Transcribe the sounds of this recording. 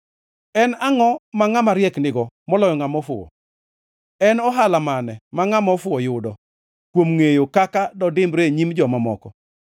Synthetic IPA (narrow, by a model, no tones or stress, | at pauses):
ɛnaŋɔmaŋamaɾjɛknɪɡɔmɔlɔjɔŋamɔfʊɔ̰ | ɛnɔɦalamanɛmaŋamɔfʊɔjʊdɔ | kwomŋejokakadɔdɪmbɾeɲimd͡ʒɔmamɔ̰kɔ